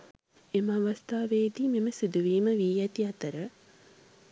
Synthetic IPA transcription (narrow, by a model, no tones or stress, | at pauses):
emaʋəst̪aːʋeːd̪iːmeməsid̪uʋiːməʋiːjæt̪iat̪əɾə